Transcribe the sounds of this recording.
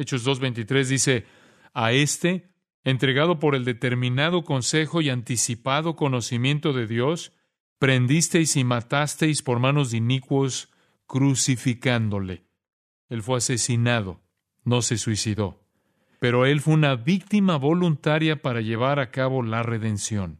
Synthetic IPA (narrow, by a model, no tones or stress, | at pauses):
et͡ʃo̞zðo̞zβe̞jnt̪it̪ɾe̞zðise̞ | ae̞st̪e̞ː | nt̪ɾe̞ɣaðo̞p̬o̞ɾe̞ld̪e̞t̪e̞ɾmĩnað̞o̞ko̞nse̞xo̞iant̪isipaðo̞ko̞no̞simje̞nt̪o̞ðe̞ðjo̞s | pɾe̞nd̪ist̪e̞jsimat̪ast̪e̞jspo̞ɾmãno̞zðinikwo̞s | kɾusifikand̪o̞le̞̰ | e̞lfwe̞ase̞sinaðo̞̰ | no̞se̞swisiðo̞ | pe̞ɾo̞e̞lfweunaβik̚t̪imaβo̞lunt̪aɾjapaɾaʝe̞β̞aɾakaβo̞lare̞ðe̞nsjo̞n